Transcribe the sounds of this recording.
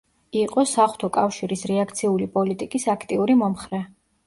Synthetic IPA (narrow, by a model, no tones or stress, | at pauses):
iqʼɔsaχw̥t̪ʰɔkʼafʃiɾisɾɛakʰt̪sʰiulipʼɔlit̪ʼikʼisakʰt̪ʼiuɾimɔmχɾɛ